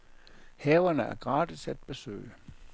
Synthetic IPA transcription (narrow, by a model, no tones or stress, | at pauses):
hɛːʊɐnəæɐɡ̥ʁɑ̈ːd̥isæd̥̚b̥e̝sø̰ːɪə